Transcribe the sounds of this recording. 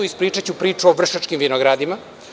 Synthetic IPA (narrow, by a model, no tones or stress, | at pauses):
uispɾiːt͡ʃat͡ɕupɾiːt͡ʃuoʋr̩ʃat͡ʃkimʋinoɡɾad̪ima